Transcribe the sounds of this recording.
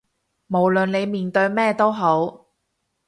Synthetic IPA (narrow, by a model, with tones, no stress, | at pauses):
mo˨˩wlɵ˨nle˨˧jmiː˨nt̪ɵ˧ɥmɛː˥t̪o˥wɦo˨˥w